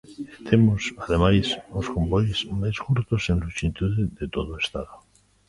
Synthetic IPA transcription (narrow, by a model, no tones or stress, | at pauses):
et̪emosaðemajsosko̞mbojezmajskuɾt̪osẽnlut͡ʃint̪uðeðet̪oð̞oest̪aðo